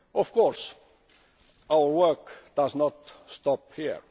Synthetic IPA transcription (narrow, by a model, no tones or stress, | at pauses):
ʔɔfkɔɹs | ʔaʊəɹwɜkd̪̥asnɔt̪st̪ɔphiɹ